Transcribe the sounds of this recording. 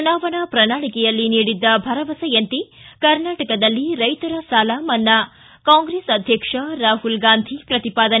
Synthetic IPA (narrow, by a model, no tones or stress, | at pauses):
unaːʋɐɳɐpɾɐnaːɭikɛjɐlːiniːɽid̪ːɐbʱɐɾɐʋɐsɐjɐnt̪ikɐɾnaːʈɐkɐd̪ɐlːiɾɐjt̪ɐɾɐsaːlaːmɐnːɐ | kaːŋɡɾeːsɐd̪ʱjɐkʂɐɾaːɦulɡaːnd̪ʱipɾɐt̪ipaːd̪ɐn